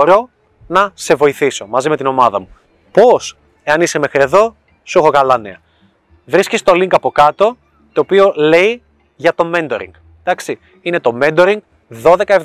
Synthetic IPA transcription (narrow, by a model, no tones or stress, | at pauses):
ɾo̞ | nɐse̞vo̞iθiso̞mɐzime̞t̪ino̞mɐðɐmu | po̞s | e̞ɐnise̞me̞xɾie̞ðo̞ | suxo̞kɐlɐnḛɐ | vɾiscest̪o̞liŋkɐpo̞kɐt̪o̞ | t̪o̞ːpio̞le̞i | ʝɐt̪o̞mend̪o̞̰ɾḭŋɡ | d̪̥ɐksi | ine̞t̪o̞me̞nd̪o̞ɾiŋɡ | ðo̞ðe̞kɐev